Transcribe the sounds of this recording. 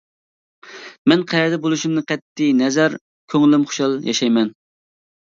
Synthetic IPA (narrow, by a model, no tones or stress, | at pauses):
mɛnqʰæjɛɾd̪ɛbolˠuʃumnɨqʰɛt̪ːɪnɛzɛɾ | kʲʰøŋlɪmχʊ̥ʃɑlˠjɑ̰ʃɑjmɛn